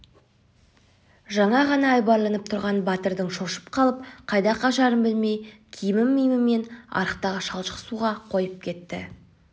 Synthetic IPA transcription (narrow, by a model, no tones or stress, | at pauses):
ʒɑɴɑʁɑnɑːjbɑɾlˠɑnəp̚t̪ʰʊɾʁɑnbɑt̪əɾd̪əɴʃo̞ʃə̥pqʰɑlˠəp̚qʰɑjd̪ɑqɑʃɑɾəmbɪlme̞jkʲʰijɪmɪmːijmɪme̞nɑ̰ɾəqt̪ɑʁəʃɑlˠʃə̥qsuʁɑqʰo̞jəp̚kʲʰe̞t̪ːɪ̰